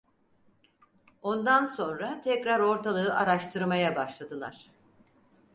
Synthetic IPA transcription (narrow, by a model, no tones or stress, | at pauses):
o̞nd̪anso̞nɾat̪ʰɛcɾaɾo̞ɾt̪ʰalˠɯːʔaɾaʃt̪ʰɯɾmajabaʃlˠad̪ɯlˠa̰ɾ̥